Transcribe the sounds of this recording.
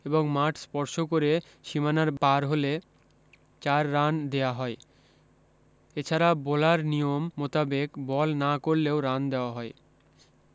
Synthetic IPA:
eboŋmaʈʰspɔɾʃokoɾe | ʃimanaɾbaɾɦole | t͡ɕaɾːand̪eaɦɔe | et͡ɕʰaɾabolaɾnijomːot̪abekbɔlnakoɾleoɾand̪eoaɦɔe

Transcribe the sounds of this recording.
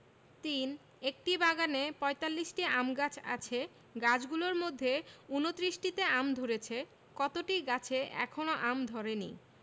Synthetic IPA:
t̪in | ek̚ʈibaɡanepɔet̪alːiʃʈiamɡat͡ɕʰa̰t͡ɕʰe | ɡat͡ɕʰɡuloɾmod̪ʱːeunot̪ɾiʃʈit̪eamd̪ʱoɾet͡ɕʰe | kɔt̪oʈiɡat͡ɕʰeʔɛ̰kʰonoʔamd̪ʱoɾenḭ

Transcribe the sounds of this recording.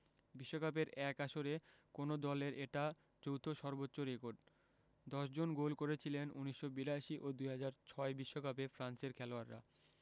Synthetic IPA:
biʃːokap̬eɾɛkaʃoɾekonod̪ɔleɾʔeʈa | d͡ʑowt̪ʰoʃɔɾbotːɕoɾekoɾɖ | d̪ɔʃd͡ʑonɡolkoɾet͡ɕʰilenuniʃːobiɾaʃiʔod̪ujɦad͡ʑaɾt͡ɕʰɔebiʃːokapefɾanseɾkʰɛloaɾːa̰

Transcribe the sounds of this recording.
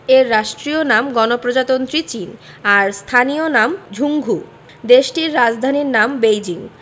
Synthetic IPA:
eɾːaʃʈɾionamɡɔnopɾod͡ʑat̪ont̪ɾit͡ɕin | aɾst̪ʰanionamd͡ʑʱuŋɡʱu | d̪eʃʈiɾːad͡ʑd̪ʱaniɾnambejd͡ʑiŋ

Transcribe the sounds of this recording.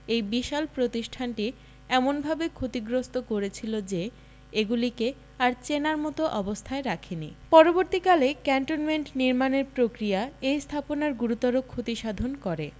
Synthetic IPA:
ejbiʃalpɾot̪iʃʈʰanʈi | ɛmonbʱabekʰot̪iɡɾost̪okoɾet͡ɕʰilod͡ʑe | eɡulike | aɾt͡ɕenaɾmɔt̪oʔɔbost̪ʰaeɾakʰenipɔɾoboɾt̪ikalekɛɳʈonmeɳʈniɾmaneɾpɾokɾiaejst̪ʰaponaɾɡuɾut̪ɔɾokʰːot̪iʃad̪ʱonkɔɾe

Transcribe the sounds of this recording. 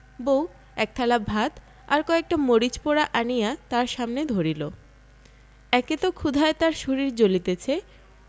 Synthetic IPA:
bow | ɛk̚t̪ʰalabʱat̪ | aɾkɔek̚ʈamoɾit͡ɕpoɾaʔanijat̪aɾʃamned̪ʱoɾilo | ɛket̪okʰud̪ʱaet̪aɾʃuɾiɾd͡ʑolit̪et͡ɕʰe

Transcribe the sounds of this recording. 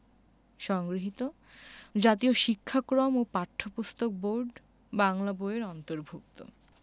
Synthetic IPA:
ʃɔŋɡɾiɦit̪o | d͡ʑat̪ioʃikʰːakɾomopaʈʰːopust̪ok̚boɾɖ | baŋlaboeɾɔnt̪oɾbʱuk̚t̪o̰

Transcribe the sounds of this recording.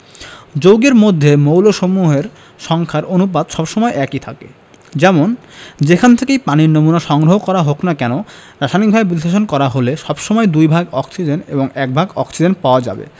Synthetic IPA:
d͡ʑowɡeɾmod̪ʱːemowloʃomuɦeɾ | ʃɔŋkʰaɾonupad̪ʃɔbʃɔmɔeʔɛkit̪ʰakḛ | d͡ʑɛmond͡ʑekʰant̪ʰekejpaniɾnomunaʃɔŋɡɾoɦokɔɾaɦoknakɛnoɾaʃanik̚bʱaebisleʃ̬onkɔɾaɦoleʃɔbʃomɔed̪ujbʱaɡɔksid͡ʑenḛboŋɛk̚bʱaɡɔ̰ksid͡ʑen̚paoad͡ʑa̰bḛ

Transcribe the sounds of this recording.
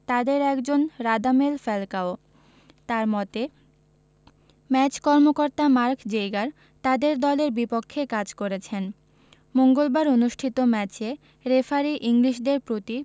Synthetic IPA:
t̪ad̪eɾɛkd͡ʑonɾad̪amelfɛlkao | t̪aɾmɔt̪e | mɛt͡ɕkɔɾmokoɾt̪amaɾkd͡ʑejɡaɾ | t̪ad̪eɾd̪ɔleɾbipokʰːekad͡ʑkoɾet͡ɕʰen | moŋɡolbaɾonuʃʈʰit̪omɛt͡ɕe | ɾefʰaɾiʔiŋliʃɖeɾpɾot̪i

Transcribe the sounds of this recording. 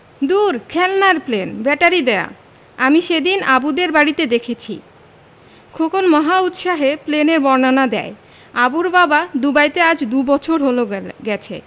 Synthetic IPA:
d̪uɾkʰɛlnaɾplenbɛʈaɾid̪ɛa̰ | amiʃed̪inabud̪eɾbaɽit̪ed̪ekʰet͡ɕʰḭ | kʰokonmɔɦaut̪ʃaɦepleneɾbɔɾnanad̪ɛ̰e | abuɾbabad̪ubajt̪ead͡ʑd̪ubɔt͡ɕʰoɾɦoloɡɛt͡ɕʰḛ

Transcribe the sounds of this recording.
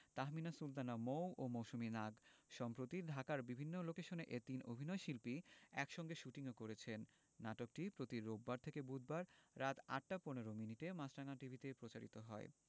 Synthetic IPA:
t̪aɦminasult̪anamowomowʃuminaɡʃɔmpɾot̪id̪ʱakaɾbibʱinːolokeʃoneʔet̪ino̰bʱinɔeʃilpiɛkʃɔŋɡeʃuʈiŋokoɾet͡ɕʰenː | aʈok̚ʈipɾot̪iɾobːaɾt̪ʰekebud̪̚baɾːat̪a̰ʈ̚ːaponeɾominiʈemasɾaŋaʈibʱit̪epɾot͡ɕaɾit̪oɦɔe

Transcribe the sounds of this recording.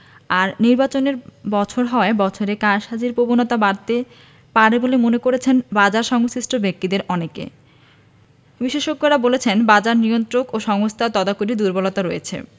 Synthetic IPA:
aɾniɾbat͡ɕoneɾbɔt͡ɕʰoɾɦɔebɔt͡ɕʰoɾekaɾʃɦad͡ʑiɾpobonɔt̪abaɾt̪e | paɾebolemonekoɾet͡ɕʰenbad͡ʑaɾʃɔŋsiʃʈʰobek̚t̪id̪eɾɔnekḛ | biʃeʃoɡːoɾabolet͡ɕʰenbad͡ʑaɾniont̪ɾokoʃɔŋost̪ʰat̪ɔd̪akuɾid̪uɾbolot̪aɾojet͡ɕʰḛ

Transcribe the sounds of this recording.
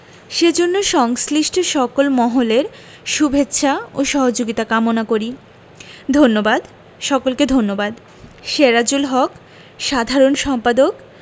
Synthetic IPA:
ʃed͡ʑonːoʃɔŋsliʃʈʰoʃɔkolmɔɦoleɾ | ʃubʱetːɕʰaoʃɔɦod͡ʑoɡit̪akamonakoɾi | d̪ʱonːobad̪ | ʃɔkolked̪ʱonːobad̪ | ʃeɾad͡ʑulɦɔk | ʃad̪ʱaɾonʃɔmpad̪ok

